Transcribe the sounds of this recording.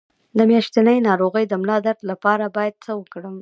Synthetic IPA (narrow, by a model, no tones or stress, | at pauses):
d̪əmjɑʃt̪anəjnɑɾoɣəjd̪əmlɑd̪aɾd̪lapɑɾabɑjad̪̚səwəkɽəm